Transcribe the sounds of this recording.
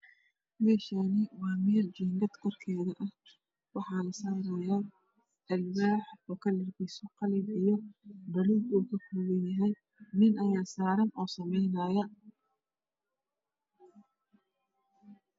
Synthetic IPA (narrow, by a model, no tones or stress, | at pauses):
mɛːʃanɪwaːmɛːrd͡ʒɛːŋɡɐd̪kʰɔrkʰɛːðɐʔɐh | wɑħɑːlɐsaːɾɛja | ʔɐlwaːħɔːkʰɐlɐrbɛjsɔqɑlɪbijɔbɐluːbuːkʰɐkʰʊːɣɐnjɐɦɛj | nɪnʔɐjaːsaːɾɐnɔːsɐmɛjnaːjɐ